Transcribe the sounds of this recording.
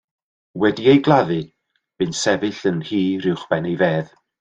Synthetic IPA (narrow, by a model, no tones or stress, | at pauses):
wɛdiejɡlˠaðɨ | b̥ɨnsɛvɨɬənhiːɾɪwχb̥ɛnejveːð